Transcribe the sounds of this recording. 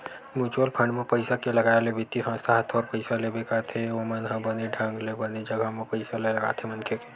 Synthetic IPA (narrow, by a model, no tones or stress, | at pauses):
mjuːt͡ʃwəlpʰə̃ɳɖmẽpəɪsakelɐɡaːelebɪt̪isʰãst̪ʰaɦət̪ʰɔːɾpəɪsalebekat̪ʰeomənɦãbəneɖʱãːŋɡlebəned͡ʒɐɡamẽpəɪsalelɐɡa̰ːt̪ʰemɐnkeke̥